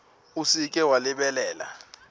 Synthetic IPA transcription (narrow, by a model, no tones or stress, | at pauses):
usik̬ʼɛwalɪɓɛlɛːla̰